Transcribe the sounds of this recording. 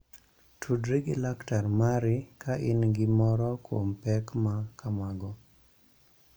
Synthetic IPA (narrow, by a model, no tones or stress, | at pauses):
tʰudɾiɡɪlaktarmaɾɪkaʔɪnɡɪmɔɾɔkompɛkmakʰamaɡɔ